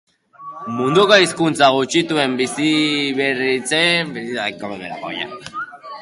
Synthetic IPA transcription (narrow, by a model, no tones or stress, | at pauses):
mund̪ukaiskunt͡saɣut͡ʃit̪ue̞mbisiβerit͡sebisiakoβeo̰ja̰